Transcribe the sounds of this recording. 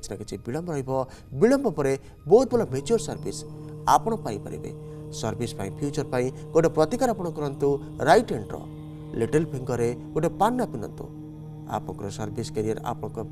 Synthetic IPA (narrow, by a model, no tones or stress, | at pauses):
t͡ʃnaket͡ʃʰibiɭɔmbɾɔɦjbɔ | biɭɔmbɔpɔɾe | bɔɦut̪̚bɔlɔmet͡ʃuɾsɔɾbisapɔɽ̃ɔpaĩpa̰ɾḭbḛ | sɔɾbʱispa̰ĩpʰjut͡ʃɔɾpaĩ | koɖepɾɔt̪ikaɾapɔɽ̃ɔkɔɾɔnt̪u | ɾajʈeɳʈɾɔ̰ | liʈelpʰiŋɡɔɾekoɖepanːapinɔ̰nt̪ṵ̃ | a̰pɔɽɔ̰̃kɔɾɔsɔɾbiskeɾijeɾa̰pɔɽ̃ɔ̃kɔ